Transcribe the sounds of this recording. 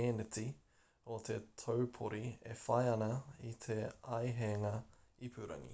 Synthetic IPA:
eːnet̪i | ot̪ʰe̞t̪ʰəwpʰoɾiefɐjɐnɐit̪ʰe̞ɐjɦeːŋɐipʰʉːɾɐ̰ŋḭ

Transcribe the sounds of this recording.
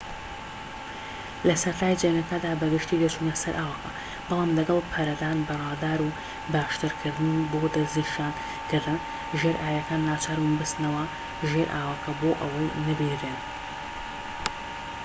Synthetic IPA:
lɐsɐɾt̪ʰaːjd͡ʒenɐkɐd̪aːbɐɡɨʃt̪ilet͡ʃuːnɐsɐɾʔaːwɐkʰɐ | b̥ɨlˠaːmlɐɡɐlˠpʰɐɾɐd̪aːnbɨraːd̪aːɾu | baːʃt̪ɨɾkʰɨɾd̪ɨnboːd̪ɐzniʃjaːn | kɨɾd̪ɨn | ʒeɾʔaːjɐkaːnːaːt͡ʃʰaːɾmunbɨst̪nɐwɐ | ʒeɾʔaːwɐkʰɐboːʔɐwɐjnɐbiren

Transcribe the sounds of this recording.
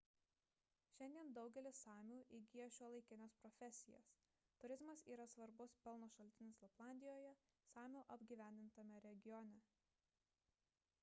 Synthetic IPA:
ʃʲɛnʲd̪ʲiɛnd̪ɒʊɡʲɛlʲɪsɑːmʲuːʔiɡʲijɛʃʲuːlˠɐɪkʲɪnʲespɾɔfʲɛsʲɪjɛ̰s | t̪ʊɾʲɪzmɐsiːɾɐsʋɐɾbʊspʲɛlˠnoːʃɐlʲt̪ʲɪnʲɪslˠɐplˠɑˑnʲd̪ʲɪjoːjɛ | sɑːmʲuːʔɐbʲɡʲiːʋʲæˑnʲd̪ʲɪnt̪ɐmʲɛɾʲɛɡʲɪjɔnʲɛ

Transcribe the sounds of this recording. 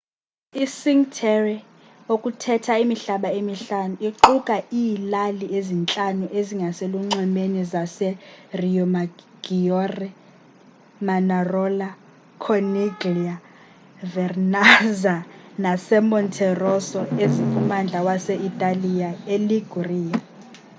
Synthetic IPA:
isiŋtʰɛrɛ | okʼutʰɛtʰaimiɬaɓaemiɬanuiǃukʼaiːlaliezint͡ɬʼanuʔeziŋɡʱasɛluŋ͡ǀɛmenizasɛriɔma | ɡ̥iɔrɛ | manarɔla | kʰɔniɡria | vɛrnazanasɛmɔntʰɛrɔsɔezipʰumand͡ɮʱawasɛʔitʼalijaeliɡ̥ʱuriːja

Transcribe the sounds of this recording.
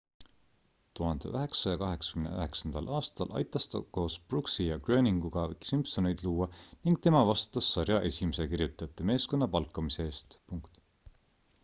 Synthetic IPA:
t̪uɦɑnd̪̥e̞̰ʔøɦe̞ksɑjɑkɑɦe̞ksɑ̥kymnḛø̰he̞ksɑnd̪̥ɑ̰lʔɑːst̪ɑlʔɑ̰jt̪ːˑɑst̪ɑ̰ko̞ːsb̥ruksijɑɡrø̞ːniŋɡ̥uɡ̥ɑksimpsonejd̪luːwɑniŋɡ̥̚t̪e̞mɑvɑst̪u̥t̪ːˑɑsːɑrjɑʔe̞sʲimese̞kiɾrjut̪ːˑɑjɑt̪ːˑeme̞ːsko̞nːɑpɑlkːˑɑmiseeːst̪puŋkt̪

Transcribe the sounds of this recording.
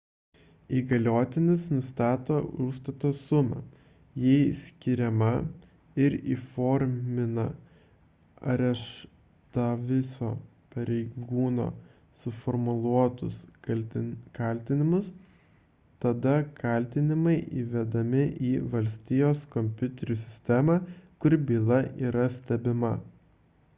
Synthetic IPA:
iːɡɐlʲoːt̪ʲɪnʲɪsnʊst̪ɑːt̪oːʊʃst̪ɐt̪oːsʊmɐ̰ | jɛɪsʲkʲɪɾʲɛmɐ | ɪɾḭːfoːɾʲmʲɪnɐ | ɾʲɛʃ | t̪ɐʋʲɪsoː | pɐɾʲɛɪɡuːno̰ː | sʊfɔɾmʊlˠuɔt̪ʊsɐlʲkɐˑlʲt̪ʲɪnʲɪmʊs | t̪ɐd̪ɐkɐˑlʲt̪ʲɪnʲɪmɐɪʔiːʋʲɛd̪ɐmʲɪʔiːʋɐlʲsʲt̪ʲijoːskɔmʲpʲʊt̪ʲɛɾʲuːsʲɪsʲt̪ʲæmɑːkʊɾʲbʲiːlˠɐʔiːɾɐsʲt̪ʲɛbʲɪmɐ

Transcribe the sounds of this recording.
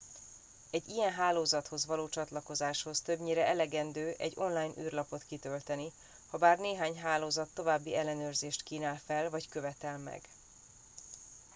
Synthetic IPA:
ɛɟːijɛnɦaːloːzɒt̪ho̞zʋɒloːt͡ʃɒt̪lɒko̞zaːʃho̞st̪øbɲiːɾɛʔɛlɛɡɛnd̪øːʔɛ̰ɟːo̞nlaːjnʔy̰ːrlɒpo̞t̪kit̪ø̞lt̪ɛni | hɒbaːrneːɦaːɲɦaːloːzɒt̪ːo̞vaːbːiɛlːɛnøːrzeːʃt̪kiːnaːlfɛlvɒckøvɛt̪ɛlmɛ̰ɡ

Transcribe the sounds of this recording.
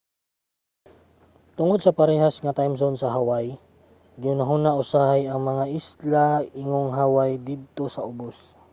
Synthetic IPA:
t̪ʊŋod̪̚sɐpɐɾɛhasŋɐt̪ajmsonsɐɦawaj | ɡɪʊnaɦʊnaʔʊsaːhajɐŋmɐŋaʔɪslaɪŋoŋɦawajd̪id̪̚t̪osɐʔʊbos

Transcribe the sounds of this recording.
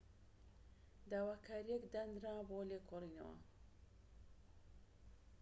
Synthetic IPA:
d̪aːwaːkʰaːɾijekd̪and̪ɾaːboːlekʰorinɐ̰wɐ̰

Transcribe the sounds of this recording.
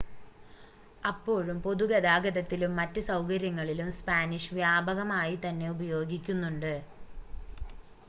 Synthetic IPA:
ɐpːo̞ːɻumpo̞ðuɣɐd̪aːɡɐðɐt̪ːilumːɐtːɨsɐwkɐɾjɐŋːɐɭilumspaːniʂɨʋjaːbʱɐɣɐmaːjit̪ɐnːe̞ubɐjo̞ːɡikʲːunːuɳɖɨ

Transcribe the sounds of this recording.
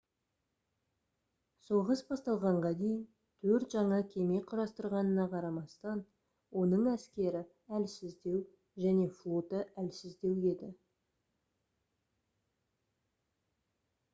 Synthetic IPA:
soʁəsbɑst̪ɑlˠʁɑɴʁɑd̪e̞jɪn | t̪ʰɵɾt̪ʒɑɴɑkʲʰe̞me̞qʰʊɾɑst̪əɾʁɑnənɑqʰɑɾɑmɑst̪ɑn | wo̞nəɴæskʲe̞ɾɪ | ælsɪzd̪e̞w | ʒæne̞flˠo̞t̪əʔælsɪzd̪e̞we̞d̪ɪ

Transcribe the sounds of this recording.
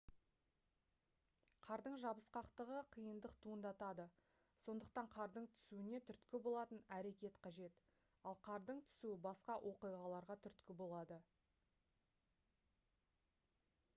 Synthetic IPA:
qʰɑɾd̪əɴʒɑbəsqɑqt̪əʁəqʰijənd̪əqt̪ʰuənd̪ɑt̪ɑd̪ə | so̞nd̪əq̚t̪ɑɴqʰɑɾd̪əɴt̪ʰʏ̥suɪne̞t̪ʰʏɾt̪kʲɪbo̞lˠɑt̪ənæɾe̞kʲe̞t̪qʰɑʒe̞t̪ | ɑlˠqʰɑɾd̪əɴt̪ʰʏ̥suɪbɑsqɑʔwʔo̞qijʁɑlˠɑɾʁɑt̪ʰʏɾt̪kʲɪbo̞lˠɑd̪ə

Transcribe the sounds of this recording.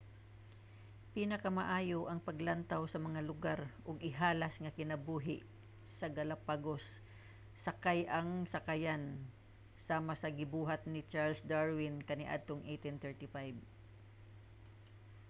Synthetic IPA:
piːnɐkɐmɐʔaːjoʔɐŋpɐɡlant̪awsɐmɐŋalʊɡaɾʔʊɡɪɦaːlɐsŋɐkɪnɐbuːɦɪʔ | sɐɡɐlapaɡosː | ɐkajʔɐŋsɐkajan | saːmɐsɐɡɪbuːɦat̪̚nɪt͡ʃaɹlsd̪aɹwɪnkɐnɪʔa̰d̪̚t̪oŋʔejt̪ɪnt̪ɛɹt̪ɪfajb̚

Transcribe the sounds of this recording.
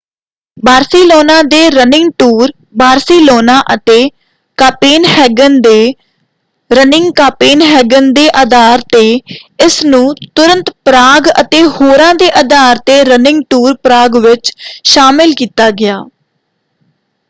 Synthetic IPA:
baːɾsiːloːnãːd̪eːɾənɪ̃ŋɡʈuːɾ | baːɾsiːloːnaːʔət̪eː | kaːpeːnhɛːɡənd̪eː | ɾənɪ̃ŋɡkaːpeːnɦɛːɡənd̪eːʔaːd̪aːɾt̪eːɪsnũːt̪ʊɾə̃nt̪pɾaːɡə̰t̪eːhoːɾãːd̪eːʔəd̪aːɾt̪eːɾənɪ̃ŋɡʈuːɾpɾaːɡʋɪt͡ʃʃaːmɪlkiːt̪aːɡɪjaː

